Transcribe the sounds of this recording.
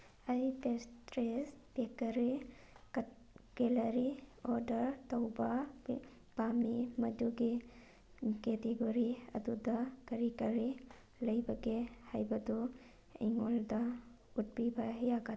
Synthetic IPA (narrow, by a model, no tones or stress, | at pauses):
ɐjpestɾespekɐɾi | ɡ̥elɐɾiɔɾdɐɾtɐwbɐ | b̥amimɐduɡi | keteɡoɾiɐ̰dudɐkɐɾikɐɾi | lɐjbɐɡehajbɐdu | ḭŋoldɐ | ut̚bibɐɦjaɡa